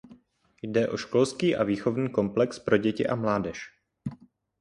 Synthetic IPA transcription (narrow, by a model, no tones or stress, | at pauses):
jdɛʔo̞ʃko̞lskiːʔaviːxo̞vniːko̞mplɛkspɾo̞ɟɛcɪ̰ʔamlaːdɛʃ